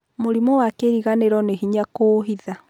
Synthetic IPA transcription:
moɾimɔwakeɾiɣaneɾɔneɦiɲakoːɦiða

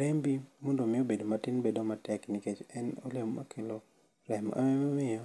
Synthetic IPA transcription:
ɾembimondomɪobedomatɪnbedɔmatɛknɪket͡ʃɛno̰lemma̰kʰelo | ɾɛma̰mɛmamɪjɔ

